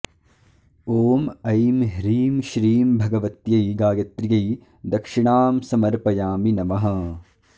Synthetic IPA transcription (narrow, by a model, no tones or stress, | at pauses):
oːmɐjmɦɾiːmʃɾiːmbʱɐɡɐʋɐt̪jɐjɡaːjɐt̪ɾjɐj | d̪ɐkʂiɳaːmsɐmɐɾpɐjaːminɐmɐɦɐ̆